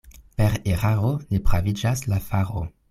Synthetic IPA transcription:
peɾeʁaʁonepʁavid͡ʒaslafaʁo̰

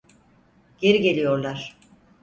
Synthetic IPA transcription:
ɟ̥e̞ɾiɟe̞lʲijo̞ɾlˠaɾ̥

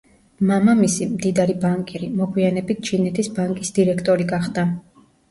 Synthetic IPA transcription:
mamamisimd̪id̪aɾibaŋkʼiɾimɔɡwianɛbit̪̚ʰt͡ʃʰinɛt̪ʰisbaŋkʼisd̪iɾɛkʰt̪ʼɔɾiɡaχd̪a

